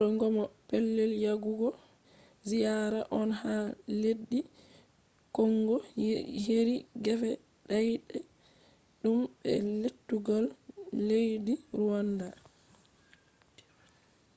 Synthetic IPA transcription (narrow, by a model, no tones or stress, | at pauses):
ɔŋɡɔmɔpɛlːɛljaɡuɡɔ | zijaɾaʔɔnhaledːi | kɔŋɡɔheɾiɡɛfɛ | ɗajɗɛ | ɗumbɛ̰letːuɡalːejdiɾuwanda